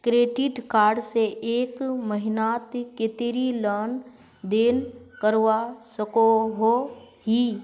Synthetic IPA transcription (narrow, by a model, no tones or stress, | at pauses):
kɾeːɖɪʈkaːɾɖseʔeːkməɦɪnaːt̪kɪt̪ɪɾiləːn | d̪eːnkəɾʋasəkoɦoɦi